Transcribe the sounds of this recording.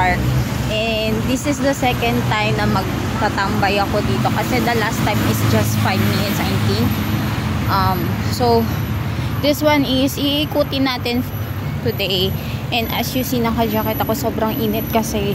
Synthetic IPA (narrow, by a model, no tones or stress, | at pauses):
ɹ | ʔɛ | nd̪d̪ɪsɪsd̪ɐsɛkɐ̃nd̪̚t̪ãjmnɐmɐɡ̚ | t̪ɐt̪ɐmbajɐko̞d̪iːt̪o̞kɐsɛd̪ɐlast̪ːãjmɪsd͡ʒɐst̪fajvmɪnɪt̪sajnt̪ɪ̃ŋ | ʔɐmsow | d̪ɪswɐnɪsɪʔːkuːt̪ɪnːaːt̪ɪn | t̪ʊd̪ejʔɛ̃nd̪ɐsjʊsinɐkɐd͡ʒaːkɛt̪ɐko̞so̞ːbɾɐŋʔiːnɛt̪̚kɐsɛ